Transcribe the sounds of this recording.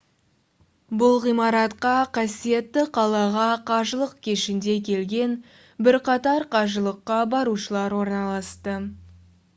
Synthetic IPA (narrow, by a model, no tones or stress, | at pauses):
bʊlˠʁijmɑɾɑt̪qɑqʰɑsije̞t̪ːɪqʰɑlˠɑʁɑqʰɑʒəlˠəq̚kʲʰeʃɪnd̪e̞kʲʰe̞lɡʲe̞n | bɪɾqɑt̪ɑɾqʰɑʒəlˠəqːɑbɑɾuʃəlˠɑɾwo̞ɾnɑlˠɑst̪ə